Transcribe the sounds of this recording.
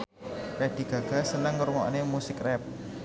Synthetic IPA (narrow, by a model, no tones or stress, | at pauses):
red̪̥i̤ɡ̥a̤ɡ̥a̤sənəŋʊrŋɔʔnemusɪkrɛp̚